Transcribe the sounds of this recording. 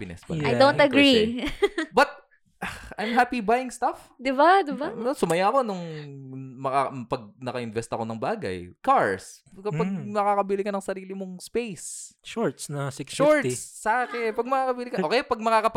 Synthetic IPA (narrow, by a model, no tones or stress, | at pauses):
pɪnɛ̰spɐ̰ajd̪õnt̪ɐɡɾi | bɐt̪̚ | ʔaʔɐjmɦaːpibajɪŋst̪af | d̪ɪbad̪ɪbanosʊmɐjako̞nʊŋ | mɐkapɐɡ̚nɐkɐɪnvɛst̪ɐko̞nɐŋbaːɡɐ̰jkaɹskɐpɐɡ̚mɐkaːkɐbilɪkɐnɐŋsɐɾiːlɪmoŋspejsʃoɹt̪snɐsɪksʃoɹt̪sːɐaːkɛpɐɡ̚mɐkaːkɐbilɪkɐoːkɛjpɐɡ̚mɐkakɐp